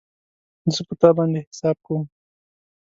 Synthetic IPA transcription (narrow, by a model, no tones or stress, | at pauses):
zəpət̪ɑbɑnd̪ehɪ̥sɑb̚kawm